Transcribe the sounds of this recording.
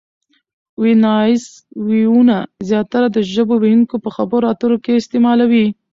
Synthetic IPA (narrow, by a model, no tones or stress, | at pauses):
winɑɪs | wiunazjɑt̪aɾad̪əʒəbowejuŋkopəxabəɾoat̪əɾokeɪst̪emɑlawi